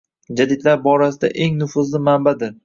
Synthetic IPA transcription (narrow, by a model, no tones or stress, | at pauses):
d͡ʒad̪ɪd̪laɾbɒɾasɪd̪a̰ʔe̞ŋnʊfʊzlɪmambad̪ɪɾ